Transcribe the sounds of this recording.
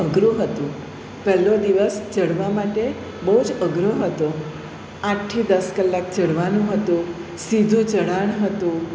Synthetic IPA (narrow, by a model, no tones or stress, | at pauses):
əɡɾũɦət̪ũ | pɛɦlod̪iʋəsd͡ʒəɽʋamaʈe | bəɦud͡ʒəɡɾəɦət̪o | ãʈʰːid̪əskəlːak̚d͡ʒəɽʋanũɦət̪ũ | sid̪ʱũd͡ʒəɽaɳ̃ɦət̪ũ